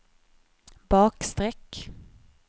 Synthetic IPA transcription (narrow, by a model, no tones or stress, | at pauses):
bɑːkst̪ɾɛkː